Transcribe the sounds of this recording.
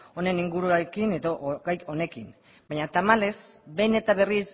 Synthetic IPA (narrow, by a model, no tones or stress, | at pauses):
o̞ne̞niŋɡuɾuekine̞ðoʔɣajone̞kin | baɲat̪amale̞s | be̞ne̞t̪aβe̞ris